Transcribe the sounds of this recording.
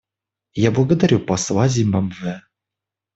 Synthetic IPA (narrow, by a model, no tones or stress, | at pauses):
jablˠəɡəd̪aɾʲupɑslˠɑzʲimɑmvʲɘ